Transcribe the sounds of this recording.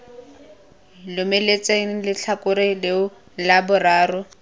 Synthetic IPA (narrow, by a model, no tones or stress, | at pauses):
lʊmelet͡seŋ̩lɪt͡ɬʰakʊɾɪlɪʊ | labʊraːrʊ